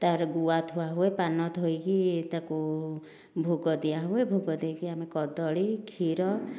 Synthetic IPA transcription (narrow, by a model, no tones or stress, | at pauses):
t̪aɾɡuwat̪ʰuaɦuepanɔt̪ɦojkit̪aku | bʱoɡɔd̪ijaɦuebʱoɡɔd̪ejkiamekɔd̪ɔɭikʰiɾɔ